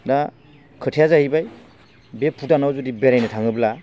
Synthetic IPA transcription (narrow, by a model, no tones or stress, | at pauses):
da | kʰɯtʰijazahibaj | bepʰudanawzudibeɾajnɯtʰaŋɯbla